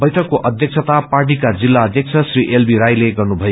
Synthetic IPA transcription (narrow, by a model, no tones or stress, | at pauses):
bʌjʈʰʌkːoʔʌd̪ʱjʌk̚sʰʌt̪aparʈ̬ikad͡zilːaʌd̪ʱjʌk̚t͡sʰʌsriʔelbiɾajleɡʌrnubʱʌjo